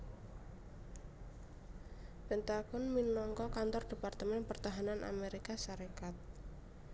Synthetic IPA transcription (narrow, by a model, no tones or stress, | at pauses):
b̥ə̤nt̪akʊnminɔŋkɔkant̪ɔrd̪̥e̤part̪əmɛnpərt̪aɦananʔa̰meɾikasaɾekat̪̚